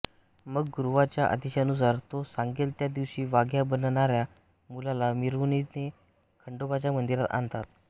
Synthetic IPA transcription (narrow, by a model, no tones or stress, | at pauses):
məɡːuɾʋat͡ɕjaʔə̰d̪iɕanus̬aɾt̪osaŋɡelt̪jad̪iʋɕiːʋaɡjabənɳaɾja | mulalamiɾʋnine | kʰəɳɖobat͡ɕjamənd̪iɾat̪a̰nt̪at̪̚